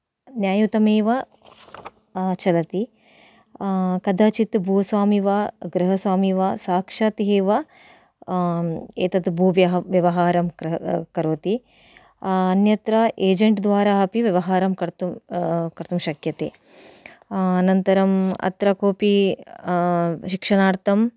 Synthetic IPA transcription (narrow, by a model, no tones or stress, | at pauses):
njaːjut̪ɐmeːʋɐ | t͡ʃɐlɐt̪i | kɐd̪ʱaːt͡ʃit̪bʱuːsʋaːmiʋɐɡɾɐɦɐsʋaːmiʋɐsaːkʂaːt̪iɦeːʋɐ | eːt̪ɐd̪bʱuːʋjɐɦʋjɐʋɐɦaːɾɐmkɐɾoːt̪i | ɐnjɐt̪ɾɐʔeːd͡ʒɐɳʈd̪ʋaːɾaɐpiʋjɐʋɐɦaːɾɐmkɐɾt̪ukɐɾt̪umʃɐkjɐt̪ḛː | nɐnt̪ɐɾɐmɐ̰t̪ɾɐkoːpi | ʃikʂɐnaːɾt̪ɐm